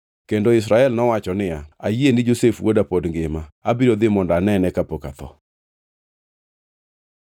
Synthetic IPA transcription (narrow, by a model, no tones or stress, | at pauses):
kendoɪs̬ɾaɛlnɔwat͡ʃɔnɪaajjenɪd͡ʒosefwodapodŋɡɪmaabiɾod̪ɪmɔndanɛnɛkapokat̪ɔ̰